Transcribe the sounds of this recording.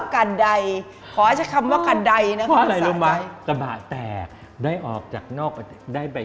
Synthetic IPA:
ka˧nda˧j | kʰɔː˨˩˦ʔa˥˩t͡ɕa˨˩kʰa˧mwwaː˥˩ka˧nda˧jna˦˥ɔ˦˧˥ʔa˧ɾa˧jlo˧ma˦˥˧sa˧baː˨˩t̪ɛː˨˩k̚ | daː˥˩jʔɔː˨˩k̚t͡ɕaː˨˩k̚nɔː˥˩k̚pt̪daː˥˩jpa˧

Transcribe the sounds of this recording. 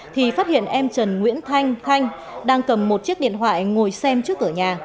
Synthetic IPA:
t̪ʰi˨˩faː˦˥t̚hḭ˧˨ənʔɛ˧mt͡ɕə˨˩nŋwḭ˧˥ənt̪ʰa˧jŋ̟t̪ʰa˧jŋ̟ | ɗaː˧ŋkə˨˩mːo˨˩t̚t͡ɕi˦˥ək̚ɗḭ˧˨ənt̪wa̰ː˧˨jŋo˨˩jsɛ˧mt͡ɕɨ˦˥ək̚ʔɨː˧˩ɲaː˨˩

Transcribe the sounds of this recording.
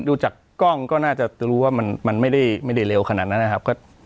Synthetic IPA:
duː˧t͡ɕaː˨˩kkːɔ˥˩ŋkɔː˥˩naː˥˩t͡ɕa˨˩ɾuː˦˥waː˥˩ma˧nma˧nma˥˩jda˥˩jma˥˩jda˥˩jɾe˧wkʰa˧naː˨˩t̪̚na˦˥nːa˧˩kʰa˦˥p̚kɔː˥˩

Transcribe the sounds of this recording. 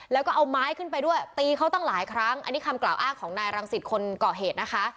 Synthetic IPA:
lɛː˦˥kɔː˥˩ʔa˧wmaː˦˥jkʰɯ˥˩np̬a˧jdu˥˩əjt̪iː˧kʰa˦˥wt̪ɔ˥˩ŋlaː˩˦jkʰɾa˦˥ŋʔa̰˧nːiː˦˥kʰa˧mklaː˨˩wʔaː˥˩ŋkʰɔː˩˦ŋnaː˧jɾa˧ŋsi˨˩t̪̚kʰo˧nkɔː˨˩ɦeː˨˩t̪̚na˦˥kʰa˦˥ʔ

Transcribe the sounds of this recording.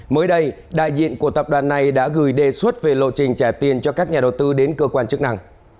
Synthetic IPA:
məː˨˦jɗə˧j | ɗa̰ː˧˨jzḭ˧˨ənku˧˩ət̪ə˨˩p̚ɗwaː˨˩nːa˨˩jɗa̰ː˧˥ɣɨ˨˩jɗe˨˩swə˦˥t̚ve˨˩lo̰˧˨t͡ɕï˨˩ŋ̟t͡ɕɛ˧˩t̪i˨˩ənt͡ɕɔ˧kaː˦˥k̚ɲaː˨˩ɗə˨˩wt̪ɨ˧ɗe˨˦nkəː˧kwaː˧nt͡ɕɨ˦˥k̚na˧ŋ

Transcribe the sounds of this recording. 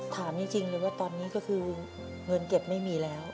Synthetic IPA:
t̪ʰaː˩˦mt͡ɕi˧ŋt͡ɕi˧ŋlɤː˧jwaː˥˩t̪ɔː˧nːiː˦˥kɔː˥˩kʰɯː˧ | ŋɤ˧nke˨˩p̚ma˥˩jmiː˧lɛː˦˥w

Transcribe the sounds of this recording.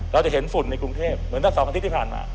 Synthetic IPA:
ɾa˧wt͡ɕa˨˩ɦe˩˦nfu˨˩nːa˧jkɾu˧ŋt̪ʰeː˥˩p̚mɯ˩˦nt̪ʰa˥˩sɔː˨˦pa˧tʰt̪ʰːpʰaː˨˩nma̰ː˧

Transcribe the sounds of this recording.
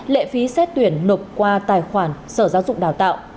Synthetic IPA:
lḛ˧˨fi˨˦sɛ˦˥t̚t̪wi˧˩ənːo˨˩p̚kwaː˧t̪aː˨˩jxwaː˧˩nsəː˧˩zaː˧˦wzʊ̰˧˨ŋ͡mɗaː˨˩wt̪a̰ː˧˨w

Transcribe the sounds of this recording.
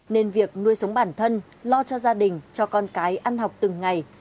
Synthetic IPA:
ne˧nvi˨˩ək̚nu˧əjsə˨˦wŋ͡mɓaː˧˩nt̪ʰə˧n | lɔ˧t͡ɕɔ˧zaː˧ɗï˨˩ŋ̟t͡ɕɔ˧kɔ˧nkaː˨˦jʔa˧nhɦa˨˩wk͡p̚t̪ɨ˨˩ŋːa˨˩j

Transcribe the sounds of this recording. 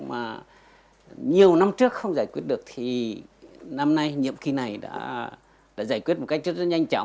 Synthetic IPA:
maː˨˩ | ɲi˨˩əwna˧mt͡ɕɨ˦˥ək̚xə˧wŋ͡mzaː˧˩jkwi˦˥ət̚ɗɨ˨˩ək̚t̪ʰi˨˩ | na˧mna˧jɲḭ˧˨əmxi˧na˨˩jɗa̰ː˧˥ | ɗa̰ː˧˥zaː˧˩jkwi˦˥ət̚mo˨˩t̚kk̚zə˦˥t̚z̚ɲa˧jŋ̟t͡ɕɔ̰˧˥˨

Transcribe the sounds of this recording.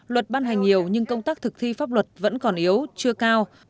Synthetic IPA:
lwə˨˩t̚ɓaː˧nɦjŋ̟ɲi˨˩əwɲɨ˧ŋkə˧wŋ͡mt̪aː˦˥k̚t̪ʰɨ˨˩k̚t̪ʰi˧faː˦˥p̚lwə˨˩t̚və̰˧˥nkɔ˨˩nʔi˨˦əwt͡ɕɨ˧əkaː˧w

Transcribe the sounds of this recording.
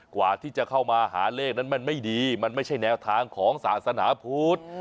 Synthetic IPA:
kwa̰ː˨˩t̪ʰiː˥˩t͡ɕa˨˩kʰa˥˩wmaː˧ɦa̰ː˩˦leː˥˩k̚na˦˥nma˧˥˨nma˥˩jdiː˧ma˧nma˥˩jt͡ɕʰa˥˩jnɛː˧wt̪ʰaː˧ŋkʰɔː˨˩˦ŋsa̰ː˩˦˥t̪̚sa˧naː˩˦pʰuː˦˥t̪̚

